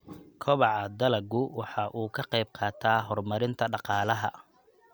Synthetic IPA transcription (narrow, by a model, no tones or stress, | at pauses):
kʰɔβɑʕɑd̪ɐlɐɡʊwɑħɑʔuːkʰɐqɑjb̚qʰɑːt̪ʰaːɦɔrmɐɾɪnt̪ʰɐɖɑqɑːlɐɦɐ